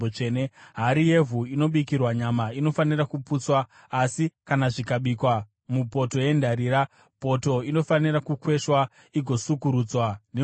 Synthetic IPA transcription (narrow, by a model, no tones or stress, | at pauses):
ot͡ʃeːneɦaɾije̞vʱuino̞ɓikirwaɲamaino̞fanirakuput͡swaː | sikanaʐikaɓiːkwa | mupo̞to̞je̞ndaɾiːɾa | po̞to̞ino̞fanirakukwe̞ʃwa | iɡʱo̞sukuɾuːd͡zwane